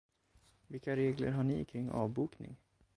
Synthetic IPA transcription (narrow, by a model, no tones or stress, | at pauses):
vɪkːaɾeːɡlə̰ɾɦaɳɪkʰɾɪŋːɑ̰ːvbuːknɪ̰ŋ